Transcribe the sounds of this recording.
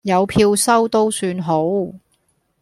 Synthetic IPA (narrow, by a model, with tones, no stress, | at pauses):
jɐ˨˧wpʰiː˧wsɐ˥wt̪o˥wsyː˧nɦo˨˥w